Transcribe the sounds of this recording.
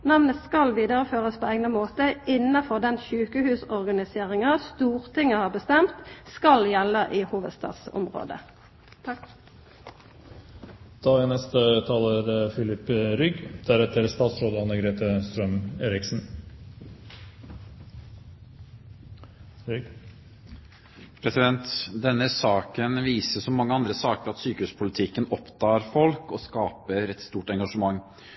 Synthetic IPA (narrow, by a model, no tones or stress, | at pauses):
nɑʋnəskɑlʋiːd̪əʁəføːʁəspʰoːeːɡnəmoːt̪əɪnːɑfɔʁd̪ɛnçʉːkəhʉːsɔʁɡɑnɪseːʁɪŋɑst̪uːʁt̪ʰɪŋəhɑːbəst̪ɛmt̪skɑljɛləʔiːhuːʋəd̪st̪ɑ̰ːt̪sʊ̰mʁo̰ːd̪ə̰ | d̪̥ɑːænɛst̪ət̪ʰɑːləɾfɪlɪpɾʏɡd̪̥æɾɛt̪əɾst̪ɑːt̪sɾoːd̪əɑnəɡɾeːt̪əst̪ɾœmeːɾɪksn̩ | pʰɾɛsɪd̪ɛnt̪d̪ɛnːəsɑːkənʋiːsəsɔmːɑŋːəɑnd̪ɾəsɑːkəɾɑt̪syːkəʉːspʰʊlɪt̪ʰɪkːənɔpt̪ɑːɾfɔlkɔskɑːpəɾɛt̪st̪uːʈɛŋɡɑʂəmɑŋː